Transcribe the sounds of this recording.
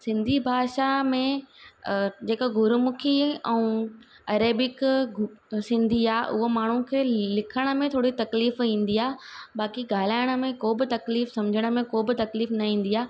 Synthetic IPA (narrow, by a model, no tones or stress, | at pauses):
sɪ̃nd̪ʱibʱaːʃamẽ | d͡ʑeːkoɡʱʊɾʊmʊkʰiɛ̃ũ | ɐɾeːbɪk | sɪ̃nd̪ʱiaːʔʊ̰ɦomaːɳ̤ũkʰeːlɪkʰəɽ̃ə̆mẽt̪ʰoːɽit̪ɐkliːfĩːn̆d̪iaːɦbaːkiɡaːl̤aːɪɽ̃ə̆mẽkoːbɪt̪ɐkliːfsɐmd͡ʑʱəɽ̃ə̆mẽkoːbɪt̪ɐkliːfnɐĩːn̆d̪iaː